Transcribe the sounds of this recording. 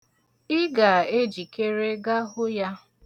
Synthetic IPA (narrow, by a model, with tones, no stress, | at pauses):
ɪ˦ɡa˨e˦d͡ʒi˨ke˦ɾe˦ɡa˦ɦʊ˦ja˦